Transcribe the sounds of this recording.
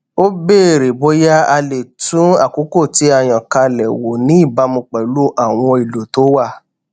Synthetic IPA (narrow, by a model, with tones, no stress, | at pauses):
o˦be˦˨ɾe˨bo˦ja˦a˧le˨tũ˨˦a̰˦˨ku˨˦ko˦˨ti˨˦a˦˨j̃ã˨ka˧lɛ˨wo˨nĩ˨˦i˦˨ba˨˦mũ˧k͡pɛ˨lu˦ʔa˦˨w̃ɔ̃˧i˨lo˨to˨˦wa˦˨